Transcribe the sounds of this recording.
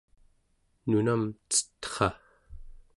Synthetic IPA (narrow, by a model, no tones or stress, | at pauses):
nunamt͡sə̥t̪χɑ